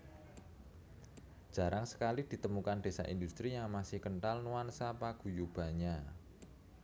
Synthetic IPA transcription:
d͡ʒ̥a̤ɾʔaŋsə̥kalid̪̥i̤t̪əmukand̥e̤sa̰ʔindust̪ɾijaŋmasɪhkəɳʈalnuansapaɡ̥ṳjub̥a̤ɲa

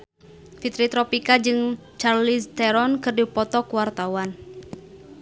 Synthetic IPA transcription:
fit̪ɾit̪ɾɔpikad͡ʒɨŋ | t͡ʃarlist̪ɛɾɔnkɨrdipɔt̪ɔkuwart̪awan

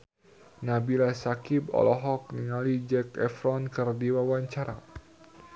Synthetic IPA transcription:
nabilasakibɔ̰lɔɦɔk̚niŋalid͡ʒɛkɛfɾɔnkɨrdiwawaɲt͡ʃaɾa

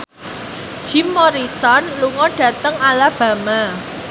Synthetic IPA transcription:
d̥ʒ̥i̤mːɔɾisɔnluŋɔɖ̥ä̤t̪əŋalab̥ä̤ma

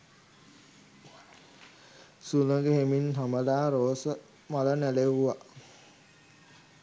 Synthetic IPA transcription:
sunəɡəɦeminɦaməlaːɾoːsə | malənæleʋuʋa

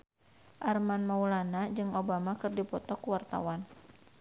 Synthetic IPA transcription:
ʔarmanmaulanad͡ʒɨŋobamakɨrdipɔt̪ɔkuwart̪a̰wan

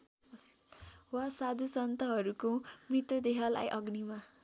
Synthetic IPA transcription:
wasad̪ʱusʌnt̪ʌɦʌɾukomrit̪od̪eɦʌla̰jʔʌɡnima

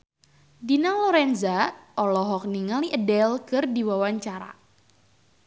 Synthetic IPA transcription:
dinalɔɾɛnzaʔɔlɔɦɔk̚niŋaliʔədɛlkɨrdiwawaɲt͡ʃaɾa̰

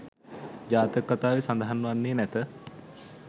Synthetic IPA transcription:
d͡ʒaːt̪əkːat̪aːʋesand̪aɦanːəʋanːeːnɛt̪ə

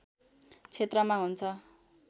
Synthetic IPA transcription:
t͡sʰet̪rʌmaɦunt͡sʰʌ

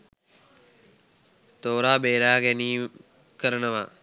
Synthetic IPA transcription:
t̪oːɾaːbeːɾaːɡɛniː | kəɾənəʋa

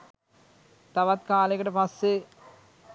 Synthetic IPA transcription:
t̪aʋat̪̚kaːlekəʈəpasːe

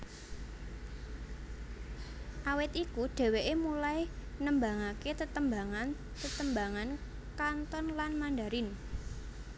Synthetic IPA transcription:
ʔawɪt̪ikuɖ̥ɛ̤weʔemulajnəmbaŋaket̪ət̪əmbaŋan | t̪ət̪əmbaŋan | kant̪ɔnlanmandaɾɪn

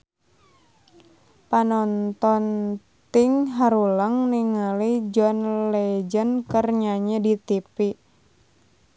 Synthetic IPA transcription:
panɔnt̪ɔn | t̪iŋɦaɾuləŋniŋalid͡ʒɔnlɛd͡ʒənkərɲaɲadit̪ipi

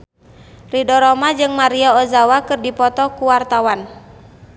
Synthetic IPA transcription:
ridɔɾɔmad͡ʒɨŋmaɾiaɔzawakɨrdipɔt̪ɔkuwart̪awan

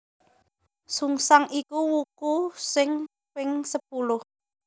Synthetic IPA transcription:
suŋsaŋikuwukusɪŋ | pɪŋsəp̚ulʊh

